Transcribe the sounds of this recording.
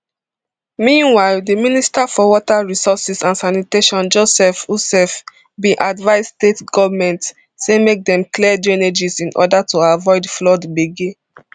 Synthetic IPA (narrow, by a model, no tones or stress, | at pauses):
mĩnwaɪldəministafɔwɔtaɹisɔsisãnsaniteʃɔ̃nd͡ʒosɛfusɛf | bĩʔadvaɪstetɡɔvamɛ̃nt | semek̚dɛ̃mklidɛned͡ʒizĩnʔɔ̰datʰuavɔɪdflɔdbeɡe